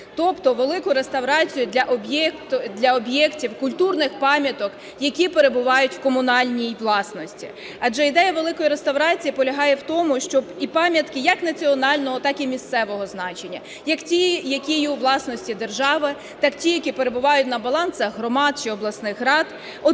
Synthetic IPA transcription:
t̪ɔpt̪ɔʋelˠɪkʊɾe̞st̪ɐwɾɑt͡sʲijʊd̪ʲlʲɐʔɔbjɛkt̪d̪ʲlʲɐɔbjɛktʲiwkʊlʲt̪urnɪxpɑmʲjɐt̪ɔk | jɐkʲipeɾe̞bʊʋɑjʊtʲwkɔmʊnɑlʲnʲijʋlˠɑsnɔsʲtʲḭ | ɐd͡ʒɛid̪ɛjɐʋelˠɪkɔjiɾest̪ɐwɾɑt͡sʲijipɔlʲɐɦɑjɛwt̪ɔmʊʃt͡ʃɔbipɑmʲjɐt̪kɪjɐknɐt͡sʲiɔnɑlʲnɔɦɔt̪ɑkimʲist̪sɛʋɔɦɔznɑt͡ʃe̞nʲːɐ | jɐktʲijɐkʲijuʋlˠɑsnɔsʲtʲid̪erʒɑʋɪ | t̪ɑktʲijɐkʲipeɾe̞bʊʋɑjʊt̚ʲnɐbɐlˠɑnsɐxɦɾɔmɑd̪t͡ʃɪɔblˠɐsnɪxɦɾɑd̪ | ɔ

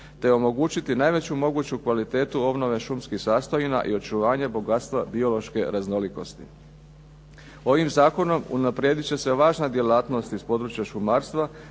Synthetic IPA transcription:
t̪e̞o̞mo̞ɡuːt͡ɕit̪inaːjʋe̞t͡ɕumo̞ɡuːt͡ɕukʋalit̪e̞ːt̪uo̞bno̞ʋe̞ʃumskixsaːst̪ojina̰ʔio̞t͡ʃuʋaːɲebo̞ɡat̪st̪ʋabio̞lo̞ʃke̞ɾazno̞liko̞st̪ḭ | o̞ʋimzaːko̞no̞mṵnapɾʲje̞ːd̪it͡ɕe̞se̞ʋaːʒnad̪je̞laːt̪no̞st̪ispo̞d̪ɾut͡ɕjaʃumaːɾst̪ʋa

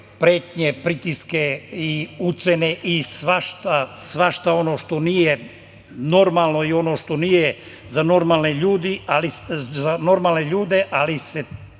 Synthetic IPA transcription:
pɾeːt̪ɲepɾit̪iskeiut̪seneʔisʋaʃt̪asʋaʃt̪ao̞no̞ːʃt̪o̞niːje̞ | no̞ɾmalˠno̞io̞no̞ʃt̪o̞niːje | zano̞ɾmaːlneʎuːd̪ializano̞ɾmaːlneʎuːd̪e̞ʔalise

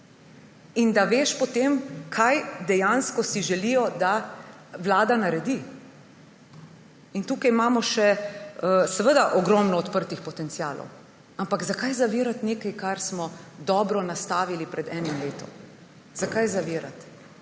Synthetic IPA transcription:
ind̪aʋeːʃpɔt̪emkʰajd̪ɛjanskɔsiʒɛlijɔd̪aʋlaːd̪anaɾɛd̪i | int̪uːkajmaːmɔʃɛəsɛʋəd̪aʔɔɡɾɔmnɔːt̪pəɾt̪ixpɔt̪ɛnt̪sjaːlɔ̰w | ampakzakajzaʋiːɾat̪neːkajkaɾsmɔd̪ɔːbɾɔnast̪aːʋilipɾɛd̪ɛːnimleːt̪ɔ̰m | z̥akajzaʋiːɾa̰t̪

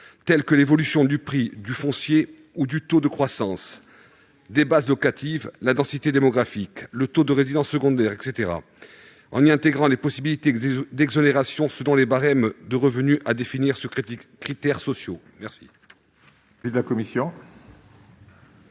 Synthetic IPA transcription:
t̪ɛlkəlevɔlysjɔ̃d̪ypχid̪yfɔ̃sje | ud̪yt̪od̪əkχwasɑ̃s | d̪ebazlɔkat̪ʰivlad̪ɑ̃sit̪ed̪emɔɡʁafiklət̪od̪əʁezid̪ɑ̃sːəɡɔ̃d̪ɛʁɛkset̪eʁa̰ | ɑ̃niɛ̃t̪eɡʁɑ̃lepɔsibilit̪ed̪ɛɡzɔneʁasjɔ̃səlɔ̃lebaʁɛmd̪əʁəvənyʔad̪efiniʁsəkχit̪ɛʁsɔsjo | mɛʁsḭ | id̪lakɔmisjɔ̃

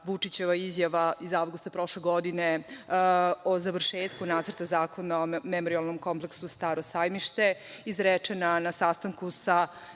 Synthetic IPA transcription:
ʋut͡ʂit͡ɕeʋaizjaʋaizaʋɡust̪apɾo̞ʃleɡo̞d̪ine | ozaʋr̩ʃeːt̪kunaːt̪sərɾt̪azaːko̞naomemoɾialˠnomko̞mpleksust̪aɾosajmiʃt̪e̞izɾet͡ʂenanasast̪aŋkusa

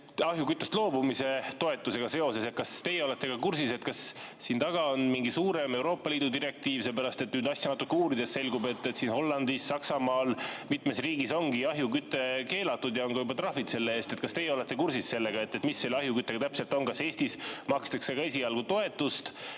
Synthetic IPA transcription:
ɑɦjukyt̪ːˑest̪lo̞ːbumise̞t̪o̞e̞t̪ːˑuse̞ɡ̥ɑse̞o̞se̞set̪kɑst̪e̞jeo̞le̞t̪ːˑe̞ɡ̥ɑkursise̞t̪kɑssiːnt̪ɑɡ̥ɑonmiŋɡisuːɾe̞me̞uwɾo̞ːpːˑɑliːd̪̥ud̪iɾe̞k̚t̪iːvselːpæɾɑst̪e̞t̪ːnyːd̪ɑsʲjɑnɑt̪ːˑukːuːɾid̪̥e̞sse̞lɡube̞t̪ːet̪siːnho̞lːɑnd̪isːɑksɑmɑːlmit̪me̞sriːɡiso̞ŋɡiɑɦjukyt̪ːˑe̞ke̞ːlɑt̪ːud̪jɑo̞ŋɡɑjubɑt̪ɾɑfit̪se̞lːeeːst̪et̪̚kɑst̪ejeole̞t̪ːˑe̞kursisse̞lːe̞ɡ̥ɑe̞t̪ːˑe̞t̪misːe̞lːɑɦjukyt̪ːˑeɡɑt̪æpse̞lt̪ˑo̞ŋkɑse̞ːsʲt̪ismɑkst̪ekseɡ̥ɑe̞sʲiɑlɡ̥ut̪o̞e̞t̪ːˑust̪

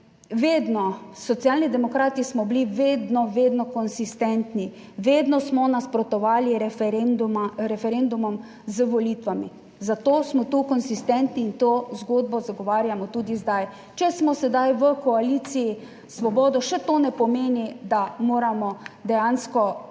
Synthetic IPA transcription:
ʋeːd̪nɔsɔt̪sjalnid̪ɛmɔkɾaːt̪ismɔbliʋeːd̪nɔʋeːd̪nɔkɔnsist̪ɛnt̪ni | ʋeːd̪nɔsmɔnaspɾɔt̪ɔʋaːliɾ | ɾɛfɛɾend̪umɔm | zəʋɔlit̪ʋamḭ | zat̪oːsmɔt̪uːkɔnsist̪ɛnt̪niːnt̪oːzɡoːd̪bɔzaɡɔʋaːɾjamɔt̪uːd̪izd̪aj | t͡ʃɛsmɔsɛd̪ajʋəkɔaliːt̪siji | sʋɔbɔːd̪ɔʃɛt̪oːnɛpɔmeːnid̪amoːɾamɔd̪ɛjanskɔ

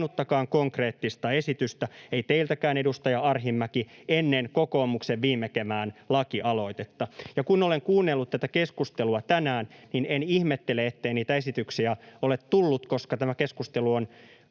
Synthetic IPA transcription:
nut̪ːɑkɑːŋkoŋkre̞ːt̪ːist̪ɑesit̪yst̪æeit̪eilt̪ækæːnedust̪ɑjɑɑrɦimːækienːenkokoːmukseʋʋiːmːekemæːnlɑkiʔɑlo̞it̪et̪ːɑjɑkunoleŋkuːnːelːut̪t̪æt̪ækeskust̪eluɑt̪ænæːnninenihmet̪ːeleet̪ːeiniːt̪æesit̪yksiæolet̪tulːut̪koskɑt̪æmækeskust̪eluon

